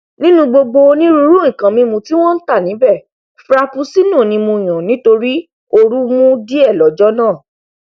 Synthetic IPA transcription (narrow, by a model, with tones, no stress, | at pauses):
nĩ˦nũ˧ɡ͡bo˧ɡ͡bo˧nĩ˦ɾu˧˦ɾũ˦ĩ˦˨kã˨mĩ˧mũ˧ti˦w̃ɔ̃˦n̩˦ta˦˨nĩ˨˦bɛ˦˨ | fɾa˧fu˧˦si˦nũ˦˨nĩ˧mũ˧i˨j̃ã˨nĩ˦to˧ɾi˦ | o˧ɾu˦mũ˦di˦ɛ˦˨lɔ˨˦d͡ʒɔ˦nãː˦˨